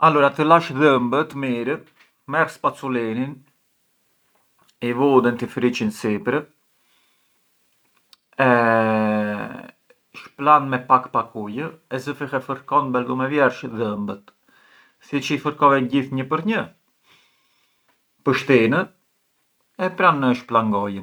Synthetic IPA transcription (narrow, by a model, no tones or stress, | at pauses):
alɔɾat̪əlaʃðəmbət̪miɾə | mɛrspat͡sulinin | ivɔd̪ənt̪ifɾit͡ʃinsipɾə | ɛ | ʃplanmɛpakpakujəɛzəfixɛfəɾkɔnbɛld̪umɛvjɛɾʃðəmbət̪ | sit͡ʃifəɾkɔvɛɟiθɲəpəɾɲə | pəʃt̪inə | ɛpɾanəʃplaŋɡɔjən